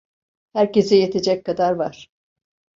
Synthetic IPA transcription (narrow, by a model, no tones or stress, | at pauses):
hæɾce̞sijet̪ʰed͡ʒɛckad̪aɾvaɾ̥